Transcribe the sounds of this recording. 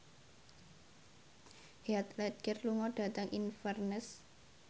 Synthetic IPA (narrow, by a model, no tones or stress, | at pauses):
heat̪lɛd̪̚ɡ̥ərluŋɔɖ̥a̤t̪əŋʔinfɛrnəs